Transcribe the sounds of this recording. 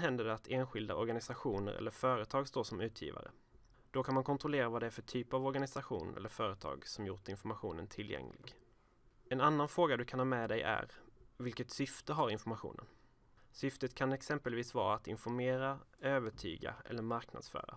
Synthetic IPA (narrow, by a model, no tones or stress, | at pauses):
ɦɛnd̪əɖat̪ʰeːnɧɪld̪aɔɾɡanɪsaɧuːnə̰ɾɛ̰lːəɾfœːɾət̪ʰɑːɡst̪oːʂɔmʉ̟ːt̪ʰjḭːva̰ɾə̰ | d̪̥ɔkʰanmankʰɔnt̪ɾɔleːɾavad̪ɛæɾfœʈʰyːpavɔɾɡanɪsaɧṵːnɛ̰lːəɾfœːɾət̪ʰɑ̰ːɡsɔmjʊʈɪnfɔɾmaɧṵːnənt̪ʰɪlːjɛ̰ŋlɪ̰ɡ | ɛnanːanfɾoːɡad̪ɵkʰanhɑːmɛd̪ɛjæ̰ɾvɪlkət̪sʏft̪əɦaɾɪnfɔɾmaɧṵːnə̰n | sʏft̪ət̪kʰanɛksɛmpəlviːsvɑ̰ːɾaːt̪ɪnfɔɾmeːɾaøːvəʈʰy̰ːɡa̰ɛ̰lːəɾmaɾkna̰d̪sfœ̰ːɾa̰